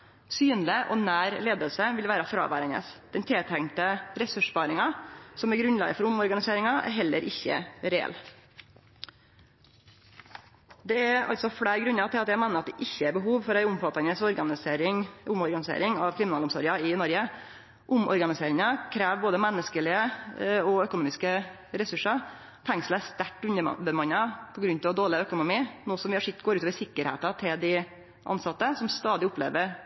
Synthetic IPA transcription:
syːnlɪʔɔnæːɾleːd̪əlsəʋɪlʋæːɾɑfɾɑ̰ːʋæ̰ːɾɛnə̰sd̪̥ɛnt̪ʰeːt̪ʰæŋt̪əɾɛsʉʂbɑːɾɪŋɑsɔmæɾɡɾʉnlɑ̰ːɡəfɔɾʊmɔɾɡɑnɪseːɾɪŋɑʔæ̰ɾɦɛlːəɾʔɪçːə̰ɾɛɛ̰l | d̪ɛæɾɑ̰lt̪sɔfɽæːɾɡɾʉnːɑt̪ʰɪlɑt̪jæɪmɛːnəɾɑt̪̚d̪ɛʔɪçːəæɾbəɦuːʋfɔɾæɪʊmfɑt̪ːɑnəsɔɾɡɑnɪseːɾɪŋʊmɔɾɡɑnɪsḛːɾɪŋɑʋkʰɾɪmɪnɑːlʊmsɔɾɪɑɪnɔɾɡə | ʔʊmɔ̰ɾɡɑnɪseːɾɪŋɑkʰɾeːʋboːd̪əmɛnːəskəlɪəɔœkʊnuːmɪskə | ɾɛsʉʂɑ | t̪ʰɛŋsl̩æst̪æʈːʉnə̰bəmɑnːɑpʰɔɡɾʉnt̪ɛɔd̪oːɭɪœkʊnʊmiːnoːsɔmʋɪhɑʂɪt̪ɡoːɾʉːt̪oːʋəʂsɪkːəɾhḛːt̪ɑt̪ʰɪld̪ɪ | ʔɑ̰nsɑt̪ːəsɔmst̪ɑːd̪ɪʊplḛːʋəɾ

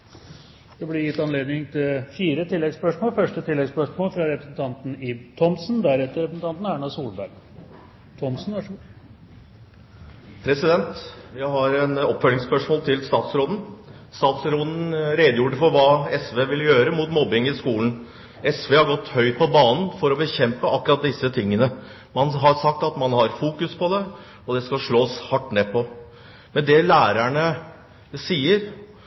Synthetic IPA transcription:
d̪̥ɛblɪɾjɪt̪ːɑnleːd̪nɪŋt̪ʰɪlfiːɾət̪ʰɪlːɛɡspœʂmoːlfœʂʈət̪ʰɪlːɛɡspœʂmoːlfɾɑɾɛpɾəsənt̪ʰɑnt̪n̩it̪ʰɔmsnd̪æɾɛt̪ːəɾɛpɾəsn̩t̪ɑnt̪n̩æɳɑsuːlbæɾɡ | t̪ʰɔmsn̩ʋɑʂ | pʰɾɛsɪd̪ɛnt̪jæɪhɑɾɛnɔpːfœlɪŋspœʂmoːlt̪ʰɪlst̪ɑːt̪sɾoːd̪n̩st̪ɑːt̪sɾoːd̪n̩ɾeːd̪əjuːʈəfɔɾʋɑːɛsʋeːʋɪlːjøːɾəmuːt̪mɔbɪŋɪskuːln̩ | ɛsʋeːhɑɾɡɔt̪ːhœʏt̪̚pʰɔbɑːnən̩fɔɾɔbəçɛmpəʔɑkːɾɑt̪̚d̪ɪsːət̪ʰɪŋːənə | mɑnɦɑɾsɑk̚t̪ɑt̪mɑnhɑɾfuːkʉspʰɔd̪ɛ | ɔd̪ɛskɑʂɭoːshɑʈːneːpʰɔ | mɛnd̪ɛlæːɾæɳə | siːəɾ

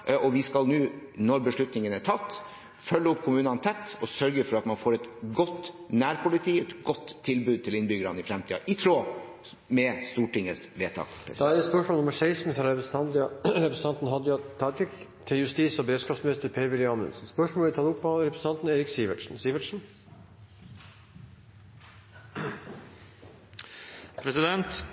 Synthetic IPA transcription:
ɔʋɪskɑlnʉːnɔɾbəʂɭʉt̪nɪŋənæʈʰɑt̪ː | fœlːəʊpːkʰʊmʉːnɑnt̪ʰɛt̪ːɔsœɾɡəfɔɾɑt̪mɑnfoːɾɛt̪ɡɔt̪ːnæːɾpʊlɪt̪ʰiːɛt̪ɡɔt̪ʰːɪlbʉːd̪̚t̪ɪlɪnbʏɡəɾɑnɪfɾɛmt̪ʰiːɑ̰ʔɪt̪ʰɾoː | mɛst̪uːʈɪŋːəsʋeːt̪ʰɑ̰ːkʰɛd̪ɑɛspœʂmolnʊməɾsæɪsn̩fɾɑɾɛpɾsʰɑnd̪ɾɛpɾɛsəɑnt̪n̩ɦɑd̪jɑt̪ʰɑːt̪ɾɪk | t̪ʰɪljʉst̪iːsɔbɾeːd̪skɑpsmnɪst̪əɾpʰeʋɪlɪɑːmə̰nsn̩spœʂmoːɪt̪ɑːd̪ʊpːɑɾɛpɾsn̩ɑnt̪n̩eːɾɪksiːʋəʈʂn̩siːʋəʈʂn̩ | pʰɾɛsɪd̪ɛnt̪

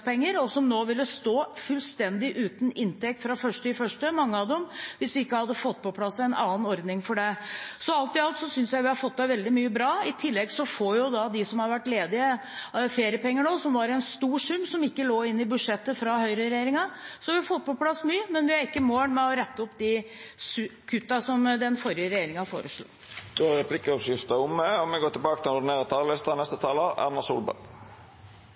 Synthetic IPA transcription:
pʰɛŋːəɾɔsɔmnoːʋɪlːəst̪oːfʉlst̪ɛnd̪ɪʔʉːt̪n̩ɪnt̪ɛk̚t̪fɾɑfœʂʈəɪfœʂʈəmɑŋːəɑʋd̪ɛmʋɪsʋɪɪkːəhɑd̪ːəfɔt̪ːpʰɔpʰlɑsːɛɪnɑːnɔɾd̪nɪŋfɔɖɛsɔɑlt̪ɪɑlt̪sɔsʏnsjæɪʋɪhɑɾfɔt̪̚ːd̪ɛɪʋɛld̪ɪmyːəbɾɑːɪt̪ʰɪlːɛɡsɔfojʊd̪ɑd̪ɪsɔmhɑɾʋæʈːleːd̪ɪə | feːɾɪəpɛŋːəɳoːsɔmʋɑɾɛnst̪uːʂʉmːsɔmɪkːəloːɪnːɪbʉd̪ʂɛt̪ːəfɾɑhœʏɾəɾɛjeːɾɪŋɑsɔʋɪhɑɾfɔt̪ːpʰɔpʰlɑsːmyːəmɛnʋɪhɑɾɪkːəmoːɳmɛɔɾɛt̪ːəɔpːd̪ɪsʉkʰʉt̪ːɑsɔmd̪ɛnfɔɾjəɾɛjeːɾɪŋɑhfo̰ːɾəʂɭṵː | d̪̥oɾɛpʰlɪkːəɔʂʏft̪ɑʊmːɛɔmɛɡoːt̪ɪlbɑːkət̪ɪlnʊd̪ɪneːʁət̪ʰɑːlɛst̪ɑnɛst̪ət̪ʰɑːləæ̰nɑsṵːlbæ̰

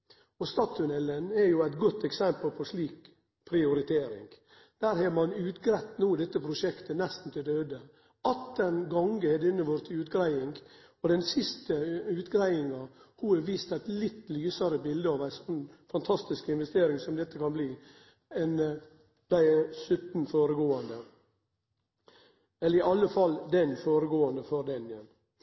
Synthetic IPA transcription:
ɔst̪ɑːt̪ʰːʉnɛlːənɛɾjʊæɪt̪ɡɔt̪ːɛksɛmpəlpʰɔʂliːk | pʰɾɪʊɾɪt̪ʰeːɾɪ̰ŋɡ | d̪̥æːɾhɑmɑnʉːt̪ɡɾæt̪ːnuːd̪ɛt̪ːəpʰɾʊʂɛkt̪ənɛst̪n̩t̪ʰɪd̪øːd̪ə | ɑt̪ːənɡɑŋɡəɛd̪ɪnːəʋɔɾt̪ʰɪʉːt̪ɡɾæɪɪŋɡ | ɔd̪ɛnsɪst̪əʉːt̪ɡɾæɪɪŋɑhuɛʋiːst̪æɪt̪lɪt̪ːlyːsɑɾəbɪld̪əɑʋæɪsɔnːfɑnt̪ʰɑst̪ɪskɪnʋɛst̪eːɾɪŋsɔmd̪ɛt̪ːəkɑnbliː | ɛn | d̪̥æɪsʉt̪n̩foːɾəɡoːɑnd̪ə | ɛlːəɾɪʔɑlːəfɑlːd̪ɛnfoːɾəɡoːɑnd̪əfɔɾd̪ɛnən

